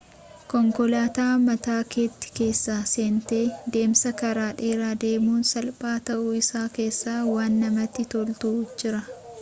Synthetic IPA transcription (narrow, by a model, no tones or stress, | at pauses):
kɔŋkɔlaːt̪aːmɐt̪aːkeːt̪ːɪ̥ke̞ːsːaːse̞ːnt̪eːd̪e̞ːmsɐkɐɾaːᶑe̞ːɾaːd̪e̞ːmuːnsɐlpʼaːt̪ɐʔuɪsaːke̞ːsːaːwaːnːɐmɐt̪ːɪt̪ɔlt̪ʊud͡ʒɪɾɐ